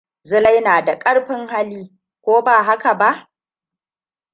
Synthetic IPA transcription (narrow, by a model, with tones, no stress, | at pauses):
zɪ˦la˦jnaː˨da˨kʼɐ˦ɽɸɪ˦ŋɦa˦liː˦ | kʷoː˦baː˨ɦa˦ka˨ba˦ʔ